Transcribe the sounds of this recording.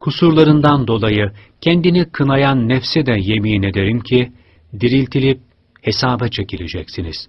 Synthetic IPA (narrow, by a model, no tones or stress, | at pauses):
kʰusuɾlˠaɾɯnd̪and̪o̞lˠajɯcʰɛnd̪inikʰɯnajanːɛfsɛd̪ɛje̞miːne̞d̪e̞ɾimcʰi | d̪iɾilʲt̪ʰilʲip̚ | he̞saːbɛt͡ʃʰe̞cilʲed͡ʒɛcsiniz̥